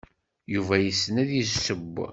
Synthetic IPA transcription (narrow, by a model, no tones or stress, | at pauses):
juvæjəsːnæðjizsəb